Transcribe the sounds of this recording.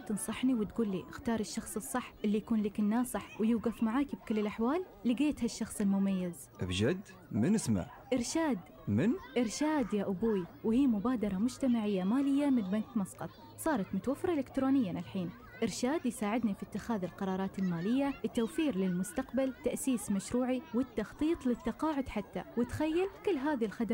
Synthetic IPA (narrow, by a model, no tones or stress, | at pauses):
t̪ɨnsˤɑħniwɪt̪ɡuːlːḭːʔɪxt̪ɑːɾˤɪʃːɑxsˤɨsˤːɨħːʔɪlːijakuːnliːkɪnːaːsˤɨħwjuːɡafmaʕaːkib̚kɪlːɪlʔaħwaːlːiɡeːt̪haʃːɑxsˤɪlmʊmajːɪz | ʔa̰bd͡ʒad̪ | mɪnɪsma̰ | ʔɪɾʃaːd̪ | mɪnʔɪɾʃaːd̪jaːʔʊbuːjwɪhiːmʊbaːd̪ɑɾˤɑmʊd͡ʒt̪amaʕɪjːamaːlɪjːamɪnbant̪mɑsˤqɑt̪̚ˤ | sˤɑːɾˤɑt̪mʊt̪awafːɾˤɑʔɪlɪkt̪ɾoːnɪjːanʔɪlħiːn | ʔɪɾʃaːd̪jsaːʕɪd̪nifit̪ːɪxaːðɪlqɑɾˤɑːɾˤɑːt̪ɪlmaːlɪjːaʔɪt̪ːawfiːɾlɪlmʊst̪aqbalt̪aʔsiːsmaʃɾuːʕiwɪt̪ːɑxt̪ˤiːt̪ˤlɪt̪ːɑqɑːʕʊd̪ħat̪ːa̰wɪt̪xajːalkɪlːɦaːðilxad̪